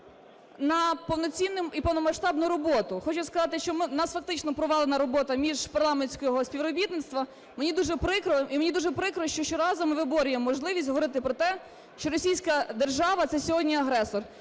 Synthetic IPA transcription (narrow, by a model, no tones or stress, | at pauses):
nɐpɔʋwnɔt͡sʲinːʊmipɔʋnɔmɐʃt̪ɑbnʊɾɔbɔt̪ʊxɔt͡ʃʊskɐzɑt̪ɪʃt͡ʃɔmɪnɑsfɐk̚t̪ɪt͡ʃnɔpɾɔʋɑlˠenɐɾɔbɔt̪ɐmʲiʒpɐrlˠɑmenʲsʲkɔɦɔsʲpʲiʋɾɔbʲit̪nɪt̪st̪ʋɐ | menʲid̪uʒɛpɾɪkɾɔimenʲid̪uʒɛpɾɪkɾɔʃt͡ʃɔʃt͡ʃɔɾɑzɔmɪʋɪbɔɾʲʊjemɔːɔʒlˠɪʋʲisʲtʲɦɔʋɔɾɪt̪ɪpɾɔt̪ɛ | ʃt͡ʃɔɾɔsʲijsʲkɐd̪erʒɑʋɐt̪sɛsʲɔɦɔdʲnʲiɐɦɾɛsɔr